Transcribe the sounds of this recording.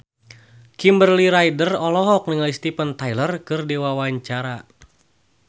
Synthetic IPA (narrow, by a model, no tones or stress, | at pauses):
kimbərliɾajdərɔlɔɦɔk̚nəŋalist̪ipənt̪ajlərkɨrdiwawaɲt͡ʃaɾa